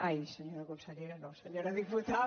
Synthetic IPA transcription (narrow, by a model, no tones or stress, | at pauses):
aiseɲoɾɐkõmsɐʎejɾɐnɐ̃w̃seɲoɾɐðiput̪a